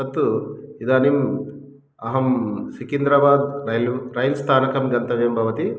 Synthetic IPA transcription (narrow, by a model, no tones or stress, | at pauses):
ɐt̪ːuid̪aːnim | ɐɦɐmsikind̪ɾɐbaːd̪ɾɐɾɐjlst̪ʰaːnɐkɐmɡɐnt̪ɐʋjɐmbʱɐʋɐt̪i